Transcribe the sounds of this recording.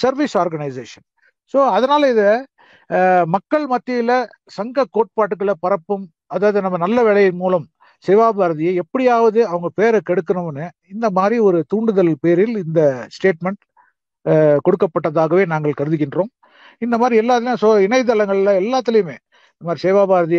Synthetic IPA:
sɐɾʋisaːɾɡɐnɐɪseːʂɐn | soːɐðɐnaːlɐɪðɐ | mɐkːɐɭmɐt̪ːɪjɪlɐ | sɐŋɡɐkːoːʈ̚paːʈːɯk̬ːɐɭɐpɐɾɐpːɯm | ɐðaːʋɐðɯnɐmːɐnɐlːɐʋɛɭɐjɐmuːlɐm | sɛʋaːbaːɾɐðɪjɐɛpːɐɽɪjaːʋɐðɯɐʋɐŋɡɐpeːɾɐkɛɽɯkːɯnɐmɐnːɯ | ɪnd̪ɐmaːd̪ɾiɔɾɯt̪uːɳɖɯðɐlpeːɾɪlɪnd̪ɐsʈeːʈmɛɳʈ | kɔɽɯkːɐpːɐʈːɐðaːɣɐʋeːnaːŋɡɐɭkɐɾɯðɯk̬ːɪndrõːm | ɪnd̪ɐmaːd̪ɾiɛlːaːt̪̬ːɪlj̃soːɪnɐɪt̪̬ːɐlɐŋɡɐɭlɐɛlːaːt̪ːɪlɐjɯmḛː | ɪnd̪ɐmaːd̪ɾiseːʋaːbaːɾɯðɪj

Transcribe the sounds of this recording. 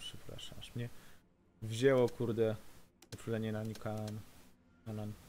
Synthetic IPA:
pʂɛpɾa̰ʂa̰ʂmɲɛ | vʑɛwɔkuɾd̪ɛupuʐɛɲɛnaɲikaan | anan

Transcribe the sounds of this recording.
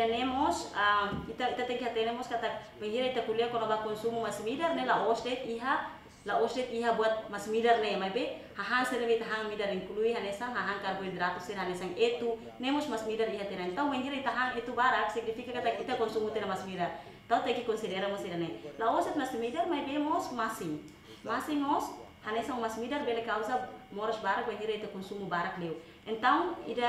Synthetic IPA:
anɛmɔsamit̪ait̪at̪ɛŋkiɦat̪ɛnɛmɔskat̪ak̚ | bɛŋɦiɾait̪akuliakɔnabakɔnsumumasmidarnelaʔɔsdɛt̪iɦa | laɔsdɛt̪iɦabuat̪̚masmidarnemaibɛ | haɦaŋsɛɾabeit̪aɦaŋmidariŋkuluiɦanɛsaŋɦaɦaŋkaɾabuid̪ɾat̪usɛɾɦanɛsaŋet̪u | nɛmɔsmasmidardiɦat̪ɛɾaɛnt̪auŋwɛŋɦiɾait̪aɦaŋet̪ubaɾak̚sik̚nifikakat̪akit̪akɔnsumut̪ɛɾamasmidar | t̪aut̪aikikɔnsidɛɾamɔsidanɛlaɔsɛt̪̚mast̪imidarmajbɛmɔsmasiŋ | masiŋmɔs | hanɛsaŋmasmidarbɛlɛkausamɔɾɔsbaɾak̚wɛŋɦiɾait̪akɔnsumubaɾak̚lɛw | ɛnt̪aŋḭda

